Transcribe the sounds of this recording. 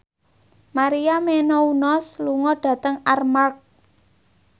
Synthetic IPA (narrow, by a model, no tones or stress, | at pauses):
maɾiamenɔunɔsluŋɔɖ̥ä̤t̪əŋarmark̚